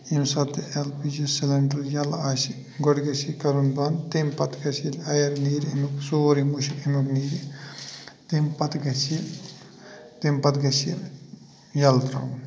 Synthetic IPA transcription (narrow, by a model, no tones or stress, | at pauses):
imsɐt̪elpid͡ʒiseleɳʈɐljɐlasi | ɡɔɽɡɐsikɐɾunbɐnt̪empɐt̪ɡɐsilɐjɐɾniːɾimuksoːɾimuʃiimukniːɾi | t̪impɐt̪ɡɐsi | t̪empɐt̪ɡɐsil | jɐlt̪ɾɐ̰wn